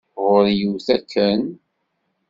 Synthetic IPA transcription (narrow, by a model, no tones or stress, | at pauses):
ʁʊɾjuθækʰːən